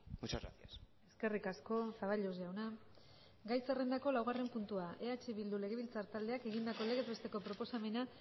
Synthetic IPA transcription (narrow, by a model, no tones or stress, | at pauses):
mut͡ʃazɣa̰sias | e̞ske̞rikasko̞faβaʎosawna | ɡajsere̞nd̪ako̞lawɣ̞are̞mpunt̪uaʔe̞at͡ʃeβild̪ule̞ɣ̞e̞βilt͡saɾt̪ald̪eake̞ɣind̪ako̞le̞ɣe̞zβest̪e̞ko̞pɾo̞po̞same̞na